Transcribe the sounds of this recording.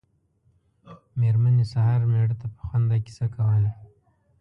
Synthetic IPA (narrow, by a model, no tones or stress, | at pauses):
meɾmanisahɑɾmeɽət̪apə̥xwand̪aki̥sakawala